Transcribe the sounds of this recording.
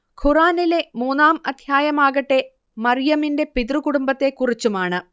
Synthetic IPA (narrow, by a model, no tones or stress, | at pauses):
kʰuraːnile̞muːnaːmɐd̪ʱjaːjɐmaːɣɐʈːe̞ | mɐrjɐminde̞piðrukuɽumbɐt̪ːe̞kːurit͡ɕːumaːɳɨ